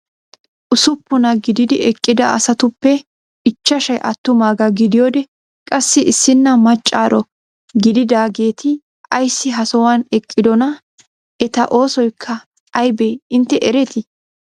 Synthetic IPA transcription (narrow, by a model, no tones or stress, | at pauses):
ʔʊsʊpːʊnɐɡɪd̪ɪd̪ɪɛkʼːɪd̪ɐɐ̰sɐt̪ʊpːɛ | ɪt͡ʃːɐʃɐjʔɐt̪ːʊmaːɡɐɡɪd̪ɪjoːd̪ɛ | kʼɐsːɪʔɪsːɪnːɐmɐt͡ʃʼːaːɾɔ | ɡɪd̪ɪd̪aːɡe̞ːt̪ʰɪ | ɐjsːɪɦɐsɔwanɛkʼːɪd̪ɔnɐ | ʔɛt̪ɐʔo̞ːsɔjkʰːɐ | ɐjbeːɪnt̪ːɛʔɛɾɛt̪ɪ